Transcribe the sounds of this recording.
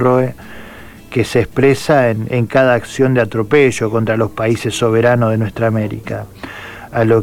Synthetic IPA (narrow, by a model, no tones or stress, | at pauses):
roe | keseːspɾesaeneŋkaðaːksjo̞nd̪eat̪ɾo̞peʒo̞ko̞nt̪ɾalo̞spaise̞sːo̞β̞e̞ɾanozð̞enwe̞st̪ɾaːmeɾḭka | alo